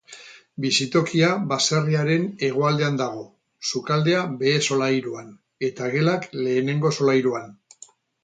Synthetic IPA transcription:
bisit̪o̞kiaβase̞riaɾe̞ne̞ɣ̞oald̪e̞and̪aɣ̞o̞ | sukald̪e̞abe̞ːso̞lajɾuan | e̞t̪aɣe̞lakle̞ːne̞ŋɡo̞so̞lajɾuan

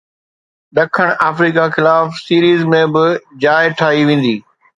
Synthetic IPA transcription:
ɗɐkʰəɽ̃aːfɾiːkaxɪlaːfsiːɾiːzmẽbɪd͡ʑaːɪʈʰaːɦiʋẽːn̆d̪iː

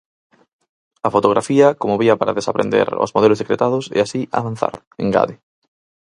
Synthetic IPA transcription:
afot̪oɣɾʔafiɐkomoβiapaɾaðesapɾend̪ḛɾo̰zmoðelozðekɾet̪að̞ʊsḛasia̰βan̟θa̰ɾ | eŋɡa̰ðɪ

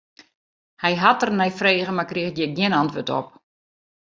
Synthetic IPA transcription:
hɛjɦatərnɛjfreːɣəmakrixtjɛɡjɪnantʋøtɔ̰p̚

